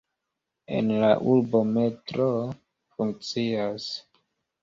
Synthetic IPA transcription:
e̞̰nlaʔulbo̞me̞tɾo | fuŋk̚t͡sias

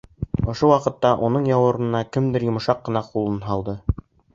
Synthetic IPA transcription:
ŏʃowɑqɤ̆t̪ːɑʔunɤɴjɑwɤ̆ɾɤ̆nɑkɘmd̪ɘɾjŏmŏʃɑqːɤ̆nɑqulˠɤnɦɑlˠd̪ɤ

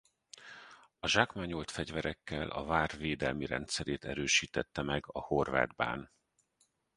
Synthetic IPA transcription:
ɒʒaːkmaːɲolt̪fɛɟvɛɾɛkːɛlʔɒ̰vaːrveːd̪ɛlmiɾɛ̰nt̪sɛɾeːt̪ɛɾøːʃiːt̪ɛt̪ːɛmɛɡɒho̞rva̰ːd̪ba̰ːn

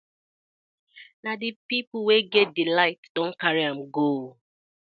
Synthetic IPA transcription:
nadipipl̩weɡɛt̚dilaɪtd̥õn̩kaɹiam̩ɡo

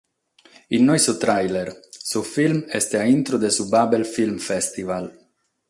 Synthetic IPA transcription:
inːojsut̪ɾajleɾsufilmɛst̪eaint̪ɾod̪esubabelfilmfɛst̪ival

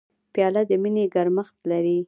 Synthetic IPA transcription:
pjɑlad̪əmineɡaɾməxt̪laɾi

